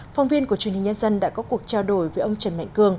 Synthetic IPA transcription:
fa˧wŋ͡mvi˧ənku˧˩ət͡ɕənhi˨˩ŋ̟ɲə˧nzə˧nɗa̰ː˧˥kɔ˨˦ku˨˩ək̚t͡ɕaː˧wɗo˧˩jvəː˨˦jʔə˧wŋ͡mt͡ɕə˨˧˩nma̰˧˨ŋ̟kɨ˧əŋ

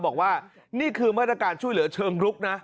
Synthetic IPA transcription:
bɔː˨˩k̚waː˥˩ | niː˥˩kʰɯː˧maː˥˩t̪̚ɾa˧kaː˨˩nt͡ɕʰu˥˩jlɯ˩˦ɐ˦t͡ɕʰɤː˧ŋɾu˦˥k̚na˦˥

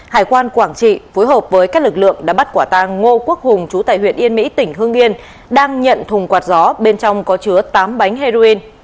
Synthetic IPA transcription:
haː˨˩jkwaː˧nkwaː˧˩ŋt͡ɕḭ˧˨fo˨˦jɦəː˨˩p̚vəː˨˦jka˦˥k̚lɨ˨˩k̚lɨ̰˧˨əŋɗaː˧˥ɓt̚kwaː˧˩t̪aː˧ŋo˧ku˦˥ək̚hʊ˨˩ŋ͡mt͡ɕu˨˦t̪a̰ː˧˨jhwḭ˧˨ənʔi˧ənmḭ˧˥t̪ï˧˩ŋ̟ɦɨ˧əŋʔi˧ən | ɗaː˧ŋɲə̰˧˨nt̪ʰʊ˨˩ŋ͡mkwaː˨˩t̚zɔ˨˦ɓe˧nt͡ɕɔ˧wŋ͡mkɔ˨˦t͡ɕɨ˨˦ət̪aː˨˦mɓa˨˦jŋ̟ɦe˧zo˧i˧n

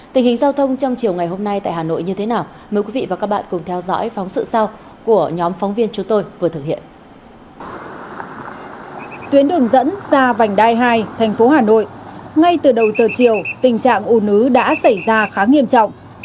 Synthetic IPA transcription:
t̪ï˨˩ŋ̟hï˨˩ŋ̟zaː˧wt̪ʰə˧wŋ͡mt͡ɕɔ˧wŋ͡mt͡ɕi˨˩əwŋa˨˩jɦo˧mna˧jt̪a̰ː˧˨haː˨˩no̰˧˨jɲɨ˧t̪ʰe˨˦naː˨˩w | məː˨˦jkwi˨˦vḭ˧˨vaː˨˩kaː˦˥k̚ɓa̰ː˧˨nkʊ˨˩ŋ͡mt̪ʰɛ˧wzɔ̰˧˥jfɔ˨˦wŋ͡msɨ̰˧˨sa˧w | ku˧˩əɲɔ˨˦mfɔ˨˦wŋ͡mvi˧ənt͡ɕʊ˨˦ŋ͡mt̪o˧jvɨ˨˩ət̪ʰɨ˨˩k̚hḭ˧˨ən | t̪wi˨˦ənɗɨ˨˩əŋzə̰˧˥nzaː˧va˨˩jŋ̟ɗaː˧jɦaː˧jt̪ʰɛ˨˩ŋ̟fo˨˦ɦaː˨˩no̰˧˨jʔŋa˧jt̪ɨ˨˩ɗə˨˩wzəː˨˩t͡ɕi˨˩əwt̪ï˨˩ŋ̟t͡ɕa̰ː˧˨ŋʔu˧˩nɨ˨˦ɗa̰ː˧˥sa˧˩jzaː˧xaː˨˦ŋi˧əmt͡ɕɔ̰˧˨wŋ͡mʔ

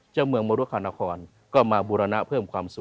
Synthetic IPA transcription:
t͡ɕaː˧˩wmɯ˧əŋmɔː˧ɾu˧˥˨kʰaː˧˩na˧kʰɔː˧n | kɔː˥˩maː˧buː˧ɾa˧na˦˧˥pʰɤː˥˩mkʰwaː˧msu˨˩

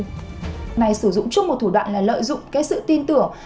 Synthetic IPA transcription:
na˨˩jsɨ˧˩zʊ̰˧˨ŋ͡mt͡ɕŋ͡mmo˨˩t̪̚ʰu˧˩ɗwa̰ː˧˨nlaː˨˩lə̰ː˧˨jzʊ̰˧˨ŋ͡mkaː˨˦ksɨ̰˧˨t̪i˧nt̪ɨ˧˩əŋ

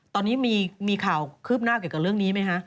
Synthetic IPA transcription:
t̪ɔː˧nːiː˦˥miː˧miː˧kʰaː˨˩wkʰɯː˥˩p̚naː˥˩k̬ːka˧˩ɾɯ˥˩əŋniː˦˥ma˦˥jkʰa˦˥ʔ

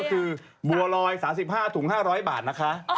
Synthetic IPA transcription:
kʰɯː˧ | bu˨˩ɐlɔː˧jsaː˩˦msi˨˩p̚haː˥˩t̪ʰu˨˩˦ŋhaː˥˩ɾɔː˦˥jbaː˨˩t̪̚na˦˥kʰa˦˥ʔ

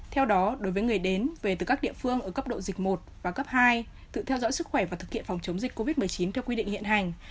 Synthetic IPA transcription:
t̪ʰɛ˧wɗɔ˨˦ɗo˨˦jvəː˨˦jŋɨ˨˩əjɗe˨˦nve˨˩t̪ɨː˨˩kaː˦˥k̚ɗḭ˧˨əfɨ˧əŋʔəː˧˩kə˦˥p̚ɗo̰˧˨zi˨˩k̟̚mo˨˩t̚vaː˨˩kə˦˥p̚haː˧j | t̪ɨ̰˧˨t̪ʰɛ˧wzɔ̰˧˥jsɨ˦˥k̚xwɛ˧˩vaː˨˩t̪ʰɨ˨˩k̚hḭ˧˨ə˨fa˨˩wŋ͡mt͡ɕə˨˦wŋ͡mzï˨˩k̟ko˧vi˦˥t̚mɨ˨˩əjt͡ɕi˨˦nt̪ʰɛ˧wkwi˧ɗḭ˧˨ŋhḭ˧˨ənha˨˩jŋ̟

